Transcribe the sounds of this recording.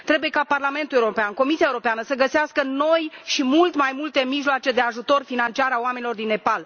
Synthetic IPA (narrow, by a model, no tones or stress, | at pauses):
t̪ɾe̞buje̞kaparlame̞nt̪uleuɾo̞peanko̞misiaewuɾopeanəsəɡəseaskəno̞jʃimult̪majmult̪e̞miʒloat͡ʃe̞d̪e̞aʒut̪o̞rfinant͡ʃiaɾaoame̞nilo̞rd̪inːe̞pal